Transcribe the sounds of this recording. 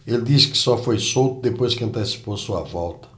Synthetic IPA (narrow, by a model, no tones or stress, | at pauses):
eld̪iskɪ̥sɔfojsowt̪ʊd̪epojskɪɐ̃nt̪esi̥posuɐvɔlˠt̪ɐ̥